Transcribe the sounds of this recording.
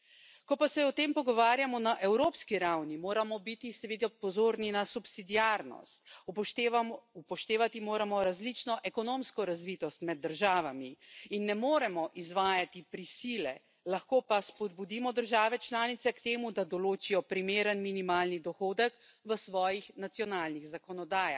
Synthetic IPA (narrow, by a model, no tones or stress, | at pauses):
kɔpasɛɔt̪eːmpɔɡɔʋaːɾjamɔnaʔɛwɾoːpskiɾawnimoːɾamɔbit̪isɛʋeːd̪ɛpɔzoːɾninasupsid̪iaɾnɔ̰st̪ | upɔʃt̪eːʋat̪imoːɾamɔɾazlit͡ʃnɔʔɛkɔnõːmskɔɾazʋit̪ɔst̪mɛd̪ːəɾʒaːʋamiinːɛmoːɾɛmɔʔizʋaːjat̪ipɾisiːlɛ̰ | laxkoːpaspɔd̪̚bud̪imɔd̪əɾʒaːʋɛt͡ʃlaːnit̪sɛkt̪eːmud̪ad̪ɔloːt͡ʃijɔpɾimeːɾənminimaːlnid̪ɔxoːd̪əkʋəsʋɔːjixnat̪sjɔnaːlnixzakɔnɔd̪aːjax